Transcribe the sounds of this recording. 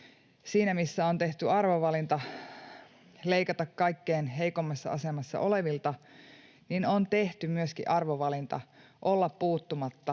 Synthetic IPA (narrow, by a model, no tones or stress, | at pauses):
siːnæmisːæont̪e̞ht̪yɑrʋoʋɑlint̪ɑ | le̞ikɑt̪ɑkkɑikːeːnɦe̞ikomːɑsːɑ̰ɑsemɑsːɑ̰ʔoleʋilt̪ɑ | ninont̪e̞ht̪ymyøskḭʔɑrʋoʋɑlint̪ɑ̰ʔolːɑppuːt̪ːumɑt̪ːɑ